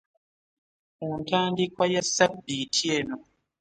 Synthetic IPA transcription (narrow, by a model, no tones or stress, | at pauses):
untaːndikwajasːabːitie̞ːno